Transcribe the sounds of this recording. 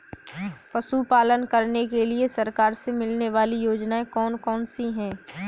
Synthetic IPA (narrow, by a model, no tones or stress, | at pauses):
pɐsupaːlənkɐɾnekeliesɐɾkaːɾsemɪlneʋaːlijoːd͡ʒnaẽkɔːnkɔːnsiɦɛ̃ː